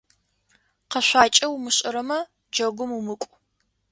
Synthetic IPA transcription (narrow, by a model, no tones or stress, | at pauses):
qɐɕʷaːt͡ʃʼɐwmɨɕʼɪɾɐmɐ | d͡ʒɐɡʷʊmumɨkʷʼ